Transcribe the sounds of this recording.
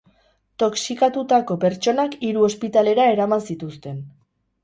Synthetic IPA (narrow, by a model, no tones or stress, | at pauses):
t̪o̞ksikat̪ut̪ako̞pe̞ɾt͡ʃo̞nakiɾuo̞spit̪ale̞ɾae̞ɾamansit̪ust̪e̞n